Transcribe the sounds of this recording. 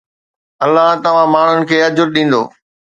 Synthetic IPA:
ɐlːaɦt̪ɐʋ̤ãmaːɳ̤ʊnɪ̆kʰeːɐd͡ʑʊɾɗĩːn̆d̪o̰ː

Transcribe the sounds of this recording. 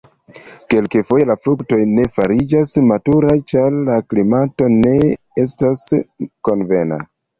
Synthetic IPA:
ke̞lkefojelafɾukto̞jne̞faɾid͡ʒasmatuɾat͡ʃaɾlaklimato̞ne̞ | estasko̞nve̞na̰

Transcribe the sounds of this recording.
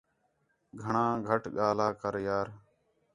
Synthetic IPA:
ɡʱəɳãːɡʱəʈɠaːlaːkəɾjaːɾ

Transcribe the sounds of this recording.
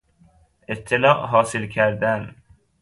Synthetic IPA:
ʔet̪ʰːelɒːʔɦɒːsɪlkʰæɾd̪æn

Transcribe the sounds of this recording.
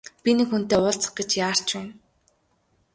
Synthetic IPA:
pʲinekxun̥t̪eːʊːɮt͡sə̥̆χɡet͡ɕjaːr̥t͡ɕwæn

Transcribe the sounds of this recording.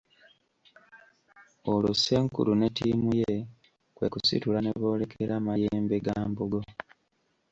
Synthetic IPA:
olose̞ŋkṵlune̞tiːmuje | kwekusḭtulane̞βo̞ːle̞kʰeɾamajeːmbe̞ɡaːmbuɡo̞

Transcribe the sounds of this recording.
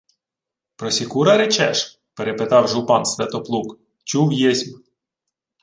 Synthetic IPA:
pɾɔsʲikuɾɐɾet͡ʃɛʃ | peɾepet̪ɑwʒupɑnsʋ̪ʲɛt̪ɔplˠuk | t͡ʃuwjezʲm

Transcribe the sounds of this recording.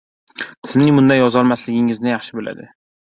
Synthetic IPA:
t̪ʰɪ̥znɪŋmʊnd̪ajɒzɒlˠmaslɪɡʲɪŋɪznɪjɑχʃɪbola̰d̪ɪ

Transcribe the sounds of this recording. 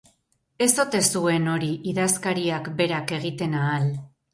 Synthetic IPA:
e̞so̞t̪e̞sue̞no̞ɾiʔiðaskaɾiakbe̞ɾake̞ɣ̞it̪e̞naːl

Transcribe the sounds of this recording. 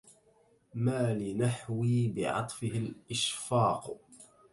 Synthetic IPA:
maːlɪnaħwiːbɪ̰ʕɑ̰t̪ˤfɪhɪlʔɪʃfɑːq

